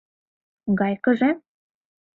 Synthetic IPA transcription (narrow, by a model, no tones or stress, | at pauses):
ɡɑjkɤ̆ʒe